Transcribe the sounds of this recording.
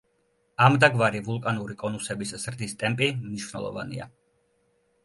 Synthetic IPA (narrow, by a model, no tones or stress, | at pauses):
amd̪aɡvaɾivulˠkʼanuɾikʼɔnusɛbisz̥ɾd̪ist̪ʼɛmpʼimniʃvnɛ̰lˠɔ̰va̰nḭa̰